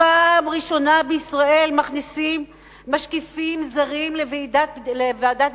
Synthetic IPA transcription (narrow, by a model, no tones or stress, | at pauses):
amʁiʃo̞nabeisʁae̞lmaχnisimː | aʃkifimzaʁimleveidalevead̪at